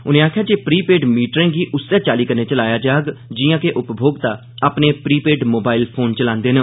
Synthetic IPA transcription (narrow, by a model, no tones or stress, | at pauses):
ʊnẽːaːkʰjaːd͡ʒeːpɾiːpeːɖmiːʈɾẽːɡiːʔʊsːãːt͡ʃaːliːkəɾneːt͡ʃəlaːjaːd͡ʒaːɡd͡ʒiːjãːkeʔʊpbʱoːɡt̪aː | aːpneːpɾiːpeːɖmoːbaːɪlpʰoːnt͡ʃəlãːnd̪eːnə